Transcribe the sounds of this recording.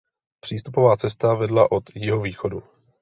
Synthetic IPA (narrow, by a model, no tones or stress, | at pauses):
pr̝̥iːst̪upo̞vaːt͡sɛst̪avɛdlaʔo̞t̪jɪɦoviːxo̞du